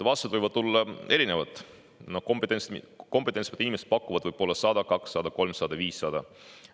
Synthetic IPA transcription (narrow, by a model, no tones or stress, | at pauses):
vɑst̪ɑd̪vɨjvɑd̪̥̚t̪ulːɑe̞ɾine̞vɑt̪ˑ | nokompet̪ːˑens | ko̞mpet̪ːˑensmɑ̥t̪inimeset̪̚pɑkːˑuvɑd̪vɯjb̥po̞lːɑsɑd̪̥ɑkɑksːɑd̪̥ɑko̞lmsɑd̪̥ɑviːsːɑd̪̥ɑ